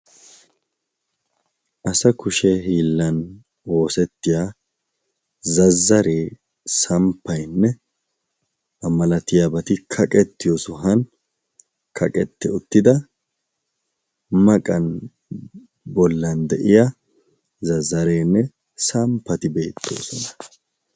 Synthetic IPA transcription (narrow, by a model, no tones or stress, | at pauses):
ʔɐsɐkʊʃɛhiːlːɐn | o̞ːsɛt̪ːɪjaː | zɐzːɐɾeː | sɐmpːɐjnːɛ | ɐmɐlɐt̪ɪjabɐt̪ɪkʰɐkʼɛt̪ːɪjɔsʊɦɐn | kʰɐkʼɛt̪ːɛʊt̪ːɪd̪ɐ | mɐkʼɐn | bɔlːɐnd̪ɛʔɪja | zɐzːɐɾeːnːɛ | sɐmpːɐt̪ɪbe̞ːt̪ːo̰ːsɔnɐ̥